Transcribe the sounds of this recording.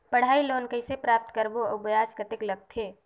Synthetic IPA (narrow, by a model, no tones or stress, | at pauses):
pəɽ̤aːiloːnkəisepɾaːp̚t̪kəɾboəbəjaːd͡ʒkət̪ɪkləɡ̚t̪ʰeː